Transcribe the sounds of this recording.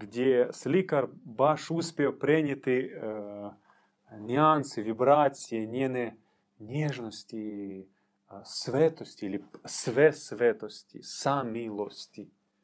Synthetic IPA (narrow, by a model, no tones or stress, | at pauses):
ɡdʲesʲlʲikɐrbaʂuspʲeopɾʲɛnʲɪt̪ɪ | nʲɪansɪvʲibɾasʲijɛnʲɛnɛ | nʲeʐnɔsʲtʲi | svʲɛt̪ɔsʲtʲiilʲɪsvʲɛsʋʲɛt̪ɔsʲtʲḭsamʲilˠɔsʲtʲi